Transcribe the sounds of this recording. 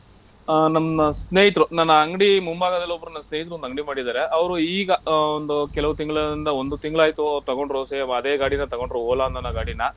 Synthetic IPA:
nɐmɐsneːɦit̪ɾunɐnːɐːŋɡɽimumbaːɡɐd̪ɐlːobɐɾunɐnːɐsneːjit̪ɾuond̪ɐŋɡɽimaːɽid̪aːɾe̞ɐʋɐɾuiːɡɐond̪ukɛlɐʋut̪iŋɡɐɭɐind̪ɐond̪ut̪iŋɡɐɭaːjt̪ut̪ɐɡo̞ɳɖɾuseːɐmɐɐd̪e̞ːɡaːɽinɐt̪ɐɡo̞ɳɖɾuoːlanɐnːɐɡaːɽinɐ

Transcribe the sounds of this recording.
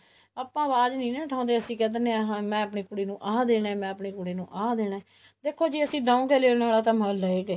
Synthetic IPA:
aːpːãːʋaːd͡ʒnĩːnɛ̃ːʈʰãːnd̪eːəsĩːkɛ̃ːd̪neɦãːmɛ̃ːəpɳeːkʊɽeːnũːʔãːd̪eːɽãːmɛ̃ːəpɳeːkʊɽeːnũːʔaːd̪eːɽaɛː | d̪eːkʰːoːd͡ʒiːəsĩːɖãːũːɡeːleːɽnaːlaːt̪ãːmələeːɡəeː

